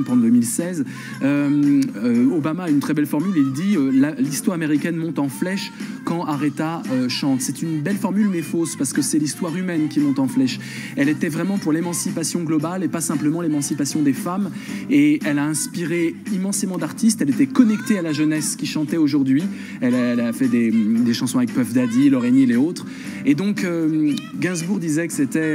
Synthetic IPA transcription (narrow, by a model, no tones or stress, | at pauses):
pd̪ømilsɛz | ømøobamaːynt̪χɛbɛlfɔʁmylild̪iølalist̪waʁameʁikʲɛnmɔ̃t̪ɑ̃flɛʃkɑ̃ʔaʁet̪aøʃɑ̃t̪sɛt̪ynbɛlfɔʁmylmɛfospaʁsə̥kəsɛlist̪waʁymɛnkʲimɔ̃t̪ɑ̃flɛʃ | ɛlet̪ɛvʁɛmɑ̃puʁlemɑ̃sipasjɔ̃ɡlɔbalepasɛ̃pləmɑ̃lemɑ̃sipasjɔ̃d̪efam | eɛlaɛ̃spiʁeimɑ̃semɑ̃d̪aʁt̪ist̪ɛlet̪ɛkɔnɛkt̪ealaʒənɛskʲiʃɑ̃t̪ɛoʒuʁd̪ɥi | ɛlaɛlafɛd̪ed̪eʃɑ̃sɔ̃avɛk̚pœfd̪ad̪ilɔʁenileot̪χ | ed̪ɔ̃kømɡʲɛ̃zbuʁd̪izɛkə̥set̪ɛ